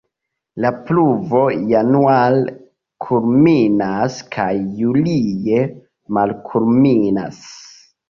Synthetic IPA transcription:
lapluvo̞janual | kʰulminaskʰajːulije̞ | malkʰulmina̰s

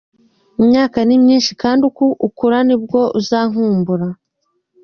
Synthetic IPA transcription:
imɲaːkanimɲiːnʃikaːndukuʔukuɾanib̚ɡo̞ʔuzaːŋ̥huːmbuɾa

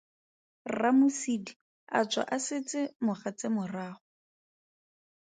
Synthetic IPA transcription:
ramʊsidi | a̰t͡swa̰ʔasɪt͡sɪmʊχat͡sɪmʊraːχʊ

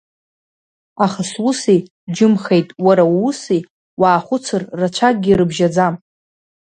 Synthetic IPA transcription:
aχaswʊsi | d͡ʒɪmχejtʼwaɾawusi | waːχʷʊt͡sʰɨrːat͡ʃʷʰak̚ʼɡʲiɾɨbʒad͡zam

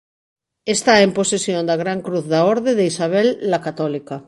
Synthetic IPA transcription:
est̪aemposesjõnd̪aɣ̞ɾaŋkɾuθðaoɾðeðeisaβ̞elːakat̪olika

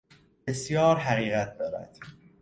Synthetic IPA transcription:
b̥esjɒːɾɦæɣiːɣæt̪̚d̪ɒːɾæ̰d̪̥

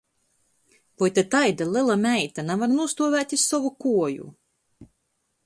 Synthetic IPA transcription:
vɔjt̪at̪ajd̪alˠɨlˠamʲɛjt̪anavaɾnuɔst̪uɔvʲæːt̪ʲissɔvukuɔjṵ

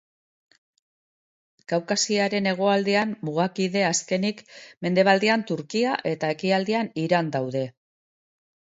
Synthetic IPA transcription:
ɡ̥awkasiaɾe̞ne̞ɣ̞o̞ald̪eanmuɣakiðe̞aske̞nikme̞nd̪e̞β̞ald̪iant̪uɾkiaʔe̞t̪ae̞kiald̪ianiɾand̪awðe̞

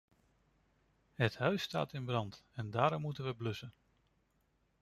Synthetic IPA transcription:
ɦəthœɥsta̰ːtɪnbrɑntɛndaːɾɔmːutənʋəblɵsən

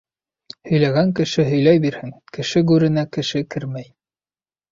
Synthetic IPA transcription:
hɵ̆jlæɡæŋkɘ̆ʃɘɦɵ̆jlæjbiɾhɘŋkɘ̆ʃɘɡʉɾɘ̆nækɘ̆ʃɘkɘɾmæj

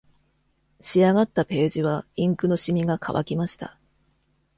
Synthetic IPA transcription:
ɕiaɡat̪ːape̞ːʑiβaĩŋkɯno̞ɕimʲiɡakʰa̰βa̰kʲimaɕi̥t̪a̰

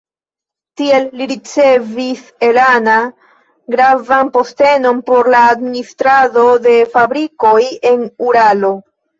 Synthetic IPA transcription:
tie̞lːiɾit͡se̞vise̞lana | ɡɾavanpo̞ste̞no̞npo̞ɾlaːdministɾado̞de̞fabɾiko̞je̞nuɾalo̞

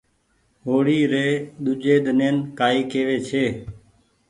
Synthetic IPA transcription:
ɦoːɽiːɾeːɗ̪ʊd͡ʒeːɗ̪əneːnkaːiːkeːʋeːt͡ʃʰeː

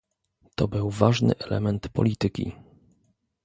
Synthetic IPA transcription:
t̪ɔbɘwvaʐnɘ̰ʔɛlɛ̰mɛnt̪pɔ̰lʲit̪ɘkʲḭ

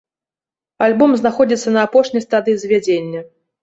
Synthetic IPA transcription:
alʲbɔmznaxɔd͡zʲit̪sːɐnɐːpɔʂnʲɐjst̪ad̪ɨizʲvʲad͡zʲenʲːɐ

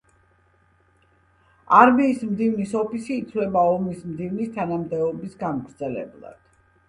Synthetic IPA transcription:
aɾmiːsmd̪ivnisɔpʰisiːt̪sʰvlɛbaɔmismd̪ivnist̪ʰanamd̪ɛɔbisɡanɡɾd̪zɛlɛ̰blˠa̰d̪̥

